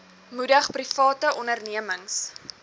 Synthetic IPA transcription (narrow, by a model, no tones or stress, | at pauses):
mudəχprifɑːtəʔɔnərniəməŋs